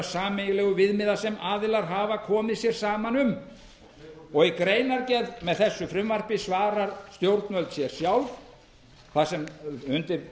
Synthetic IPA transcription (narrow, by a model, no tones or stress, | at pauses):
saːmejlɛːɣʏvɪðmɪðasɛmaːðɪlaɾ̥ɦaːvakʰɔːmɪðsjɛɾ̥saːmanʏm | ɔɣikɾeːjnaɾcɛðmɛðθɛsːʏfɾʏmvar̥pɪsvaːɾaɾst̪jowɾt̪nvœlt̪sjɛɾ̥sjawlv | θasɛmhʏnt̪ɪɾ